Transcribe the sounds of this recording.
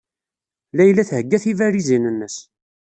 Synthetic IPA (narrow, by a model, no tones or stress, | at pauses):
læjlːæθhəɡːæθivæɾizinənːəs